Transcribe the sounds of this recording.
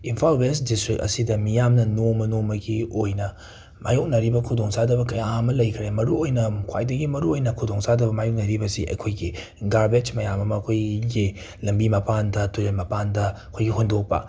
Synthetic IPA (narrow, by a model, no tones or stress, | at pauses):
inpʰalwesdistɾik̚ɐ̰sidɐmijamnɐnomɐnomɐɡiojnɐ | ma̰juk̚nɐɾibɐkʰudoŋsadɐbɐkɐjaɐmɐlɐjkʰɾemɐɾuojnɐkʰwa̰jdɐɡimɐɾuojnɐkʰudoŋsadɐbɐmajuk̚nɐɾibɐsḭʔɐ̰jkʰojɡi | ɡaɾbed͡ʒmɐjamɐmɐːkʰojɡi | lɐmbimɐpʰandɐtuɾelmɐpandɐɐkʰojɡiɦondok̚pɐ̰